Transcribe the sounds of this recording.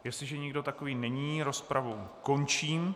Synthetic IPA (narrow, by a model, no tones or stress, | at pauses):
jɛst̪lɪʒɛɲɪɡdo̞t̪akoviːnɛɲiːɾo̞spɾʔavowkont͡ʃiːm